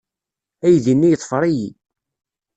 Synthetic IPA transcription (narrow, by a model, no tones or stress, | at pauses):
æjðinːijət̪ˤːfəɾˤiji